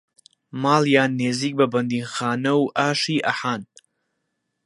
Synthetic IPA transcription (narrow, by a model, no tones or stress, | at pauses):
maːljaːnːeːziːk̚bɐbɐnd̪iːnxaːnɐwʔaːʃiːʔɐ̰ħaːn